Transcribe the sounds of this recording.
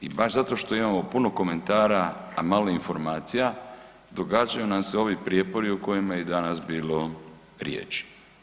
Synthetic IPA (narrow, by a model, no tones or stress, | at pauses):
ibaʃzat̪o̞ʃt̪o̞imamo̞puno̞ko̞me̞nt̪aːɾa̰ːmaːlo̞info̞̰ɾmaːt̪sija | d̪o̞ɡaːd͡ʒajunaseo̞ʋipɾjepo̞ɾiuko̞jimajed̪anasbiːlo̞ | ɾjḛːt͡ʃi̥